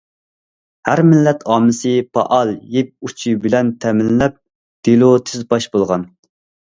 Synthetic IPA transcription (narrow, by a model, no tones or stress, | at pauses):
hæɾmɪlːɛt̪ʰɑːmɨsɨpʰɑ̰ʔɑlˠjep̚ut͡ʃʰibɪlɛnt̪ʰɛmɪnlɛp̚ | d̪̥elˠut̪ʰɪzbɑʃbolˠʁɑn